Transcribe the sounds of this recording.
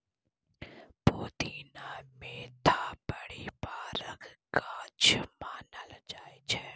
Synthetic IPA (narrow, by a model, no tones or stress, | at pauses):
poːt̪iːnaːmeːt̪ʰabəɽibaːɾəkkaːt͡ʃʰmaːnəld͡ʒaːet͡ʃʰe